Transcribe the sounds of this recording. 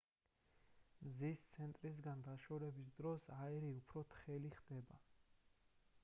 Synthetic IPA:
mzist̪sʰɛnt̪ʼɾis̬ɡand̪aʃɔɾɛbis̬d̪ɾɔsaɛɾiupʰɾɔt̪ʰχɛliχd̪ɛba̰

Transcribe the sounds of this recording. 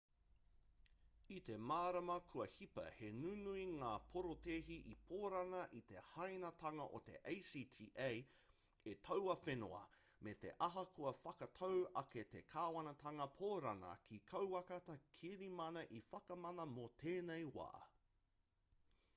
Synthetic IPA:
it̪e̞maːɾɐmɐkʰuɐhipɐ̰henunuiŋaːpʰoɾoteːɦiʔipʰoːɾɐnɐʔit̪e̞hɐjnɐtʰɐŋɐʔo̰t̪e̞̰ʔejsiːtʰiːʔej | et̪ʰɐwɐfenoɐ̰ | met̪e̞̰ʔɐɦɐkʰuɐfɐkɐt̪ʰowɐket̪ekʰaːwɐnɐtʰɐŋɐpʰoːɾɐnɐ̰kʰikʰɐwɐkɐt̪ɐkʰiɾimɐnɐʔifɐkɐmɐnɐmot̪ʰeːnejwa̰ː

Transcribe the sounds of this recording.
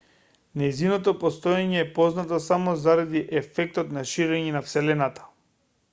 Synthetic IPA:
nɛjzinɔt̪ɔpɔst̪ɔjaɲɛːpɔznat̪ɔsamɔzaɾad̪iʔɛfɛk̚t̪ɔt̪naʃiɾɛɲɛnafsɛlɛnat̪ḁ

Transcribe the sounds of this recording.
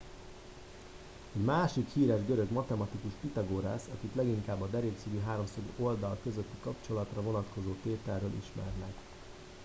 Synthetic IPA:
ɛɟmaːʃikhiːɾɛʒɡøɾø̞ɡmɒt̪ɛmɒt̪ikuʃpit̪ɒɡoːɾasɒkit̪lɛɡiŋkaːbːɒd̪ɛɾeːksyɡyːɦaːɾo̞msɒɡo̞ld̪ɒlkø̞zøt̪ːikɒpt͡ʃo̞lɒt̪rɒvo̞nɒt̪ko̞zoːt̪eːt̪ɛlːøːlʔḭʃmɛ̰rnɛk

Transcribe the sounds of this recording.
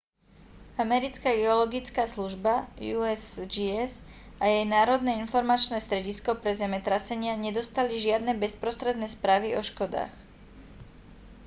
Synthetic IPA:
amɛɾit͡skaɡɛɔlɔɡit͡skaːsluʒbajuɛsd͡ʒiɛz | ʔajɛjnaːɾɔd̪nɛinfɔɾmat͡ʃnɛːst̪ɾɛɟiskɔpɾɛzɛmɛt̪ɾasɛɲɪaɲɛd̪ɔst̪aliʒɪad̪nɛbɛspɾɔst̪ɾɛd̪nɛspɾaːʋiɔʃkɔd̪a̰ːx

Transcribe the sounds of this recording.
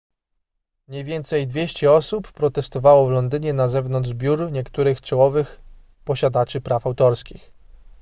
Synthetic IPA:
mɲɛjvʲjɛnt̪sɛjd̪vʲjeɕt͡ɕɛɔsupːɾɔt̪ɛst̪ɔvawɔvlɔnd̪ɘɲɛnazɛvn̪ɔnʐbʲjuɾɲɛkt̪uɾɘxt͡ʂɛwɔvɘx | pɔɕad̪at͡ʂɘpɾafawt̪ɔɾskʲix

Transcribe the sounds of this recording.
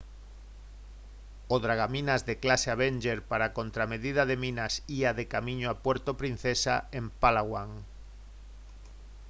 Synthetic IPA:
oðɾaɣ̞amĩnazðeklaseaβ̞enʲd͡ʒeɾpaɾakõnt̪ɾameðiðaðemĩnasiaðekamĩɲoapweɾt̪opɾin̟θesa̰empalaɣwaŋ

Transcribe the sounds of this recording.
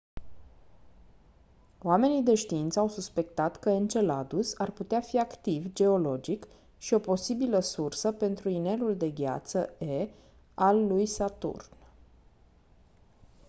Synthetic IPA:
oame̞nid̪e̞ʃt̪iint̪səawsuspe̞kt̪at̪kəent͡ʃe̞lad̪usarput̪eafiakt̪ivd͡ʒe̞o̞lo̞d͡ʒik | ʃio̞po̞sibiləsursəpe̞nt̪ɾuine̞luld̪e̞ɡʲa̰t̪səe | alːujsat̪ṵrn

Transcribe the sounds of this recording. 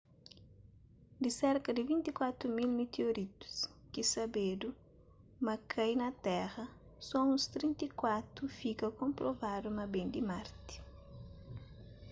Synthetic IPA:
d̪isɛɾkɐd̪ɪvĩnt̪ikwat̪ɾumilmet̪eoɾit̪u̥skisɐbed̪u | mɐkʰɐjnɐt̪ɛɣɐ | sɔũst̪ɾĩnt̪ikwat̪ɾufikɐkõmpɾovad̪umɐbẽnd̪imaɾt̪i̥

